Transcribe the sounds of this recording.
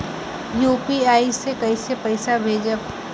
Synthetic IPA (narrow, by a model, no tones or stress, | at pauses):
juːpiaːisekɐisepɐɪsabʱeːd͡ʒə